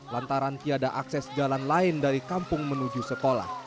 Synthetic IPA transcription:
lant̪aɾant̪iadaʔaksɛsd͡ʒalanlaɪndaɾikampʊŋmənud͡ʒusəkola̰h

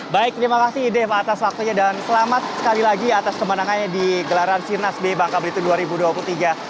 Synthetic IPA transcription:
baɪk̚t̪əɾimakasɪhdɛfat̪aswak̚t̪uɲadansəlamat̪̚sə̥kalilaɡiat̪askəmənaŋanadiɡəlaɾansirnasbebaŋkabəɾɡit̪uduaɾibuduapulut̪iɡa

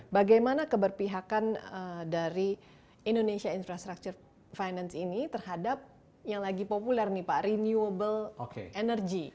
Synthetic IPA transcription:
baɡajmanakəbərpiɦakanədaɾi | indonesiainfɾast̪ɾak̚t͡ʃʊr | fajnansinit̪ərhadap̚ | jaŋlaɡipopulɛrnipaʔɾinjuəbəlokḛenərɡi

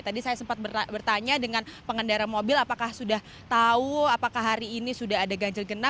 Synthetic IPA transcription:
t̪adisajasəmpat̪̚bərbərt̪aɲadəŋanpəŋəndaɾamobɪlapakahsudah | t̪auapakaɦaɾiːnisudaɦadaɡaɲd͡ʒarɡəna

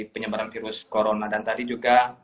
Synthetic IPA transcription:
pəɲəbaɾanfiɾʊskoɾonadant̪adid͡ʒuɡa

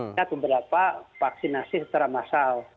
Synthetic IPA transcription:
at̪ubəɾapafaksinasisət͡ʃaɾamasal

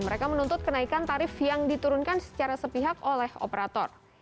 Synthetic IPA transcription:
məɾekamənunt̪ʊt̪̚kənaikant̪aɾɪfjaŋdit̪uɾʊnkansə̥t͡ʃaɾasəpiɦakolɛho̰pəɾat̪ɔ̰r

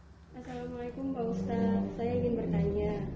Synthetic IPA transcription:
ʔasalamalekʊmbaust̪asajaiŋɪnbərt̪aɲa

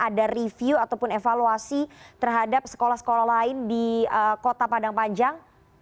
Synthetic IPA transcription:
ʔadarifiuat̪awpʊnefaluasit̪ərɦadap̚sə̥kolahsə̥kolalaɪndiəkot̪apadaŋpaɲd͡ʒaŋ

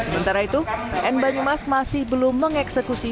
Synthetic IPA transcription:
səmənt̪aɾait̪uʔɛnbaɲumasmasɪhbəlʊmːəŋɛksəkusi

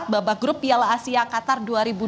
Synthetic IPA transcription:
t̪̚babaɡɾʊpijalasiakat̪arduaɾibu

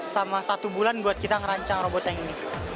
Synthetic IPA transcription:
samasat̪ubulanbuat̪̚kit̪aŋɾaɲt͡ʃaŋrɔbɔt̪aŋni

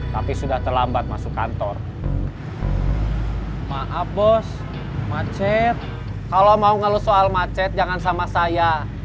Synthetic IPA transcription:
t̪apisudaht̪ərlambat̪̚masuka̰nt̪ɔr | maʔabɔs | mat͡ʃɛt̪̚ | kalomauŋalusoalmat͡ʃɛt̪̚d͡ʒaŋansamasaja

